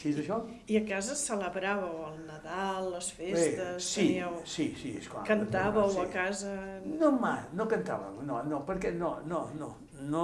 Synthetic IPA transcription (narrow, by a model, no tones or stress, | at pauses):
ʃizəʃɔ | iəkazəsələβɾaβəwəlˠnəðalˠːəsfeset̪əssiəwsisiḛskla̰kənt̪aβəwəkazənomajnokənt̪a̰βə̰wnonopəɾkɛnonono | no